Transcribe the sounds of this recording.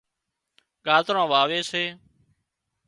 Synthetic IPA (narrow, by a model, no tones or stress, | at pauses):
ɠaːt̪ɾãːʋaːʋeːseː